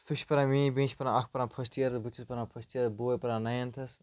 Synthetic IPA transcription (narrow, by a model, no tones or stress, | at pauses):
st̪uʃʰpɐɾãːmĩːbẽːʃʰʲpɐɾãɐkʰpɐɾãːpʰɐsʈijɐɾbut͡ʃʰuspɐɾãpʰɐsʈijɐɾboːjpɐɾãːnɐjɐnt̪ʰɐs